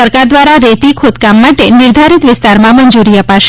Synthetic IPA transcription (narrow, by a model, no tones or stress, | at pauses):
əɾkaɾd̪ʋaɾaɾet̪ikʰod̪kamːaʈenɪɾd̪ʱaɾit̪ʋɪst̪aɾmãməɲd͡ʒuɾiəpaʃ